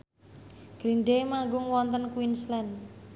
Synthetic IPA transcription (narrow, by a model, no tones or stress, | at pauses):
ɡ̥ɾinɖemaŋɡʊŋwɔnt̪ənkwinslɛn